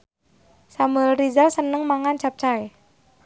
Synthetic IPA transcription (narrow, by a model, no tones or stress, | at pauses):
samuɛlrizalsənəŋmaŋant͡ʃap̚t͡ʃae